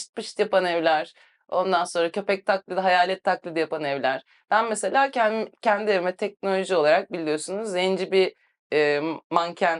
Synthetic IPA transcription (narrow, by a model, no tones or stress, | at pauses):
t̪̚pʰɯʃt̪japanevlʲæɾ̥ | o̞nd̪anso̞nɾacʰø̞pɛc̚t̪ʰaklʲˠɯd̪ɦajaːlʲɛt̪ʰːaklˠid̪ijapanɛvlʲæɾ̥ | b̪̥ænmese̞lʲaːcʰcʰɛnd̪ievimɛt̪ʰɛc̚no̞lʲo̞ʒio̞lˠaɾak̚bilʲːijo̞sunuzend͡ʒibi | ɛːmancʰæn